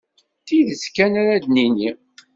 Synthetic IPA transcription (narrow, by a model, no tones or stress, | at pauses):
θiðəzkænaɾad̪nini